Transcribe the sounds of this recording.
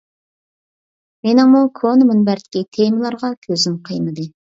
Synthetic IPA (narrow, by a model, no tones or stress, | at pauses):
menɪŋmukʰonɨmunbæɾt̪ɪ̥kʲit̪ʰemɨlˠɑɾʁɑkʲʰøzɪnqʰɨjnɨd̪ɨ